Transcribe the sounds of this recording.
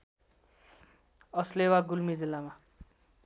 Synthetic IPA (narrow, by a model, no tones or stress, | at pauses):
ʌslewaɡulmid͡zilːama